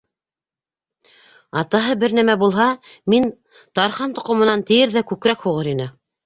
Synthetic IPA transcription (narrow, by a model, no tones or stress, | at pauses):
ɑt̪ɑɦɤbɘɾnæmæbulˠɦɑmin | t̪ɑɾχɑnt̪ŏqŏmɤ̆nɑnt̪ɘ̆jɘɾðækʉkɾækhuʁɤɾinɘ